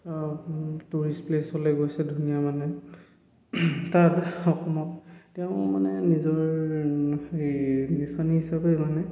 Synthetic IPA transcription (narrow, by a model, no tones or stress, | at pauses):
tuɹisplesɔlɛɡojsɛdʱunijamanɛ | tatɔxɔmɔt̚tɛʊ̃manɛnizɔɹ | ebisaniɦisabɛmanɛ